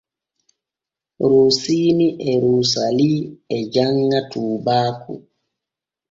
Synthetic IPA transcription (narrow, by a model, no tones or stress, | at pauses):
ɾusiːniʔɛɾuːsaliːɛd͡ʒaŋːatʰuːbaːkṵ